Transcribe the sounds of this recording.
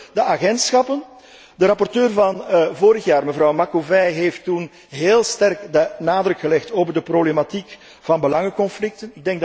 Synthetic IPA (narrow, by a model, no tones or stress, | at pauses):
dəʔaɣɛntsxɑpən | dəɾɑpɔrtøːrvɑnvoːɾəxjaːrməvrɑwmakovɛjɦeːftun | ɦeːlˠstɛrkdənaːdɾɵkxəlɛxtoːvərdəproblematik | v̥ɑnbəlɑŋəkɔnflɪk̚tənɪɡ̚dɛŋɡ̚d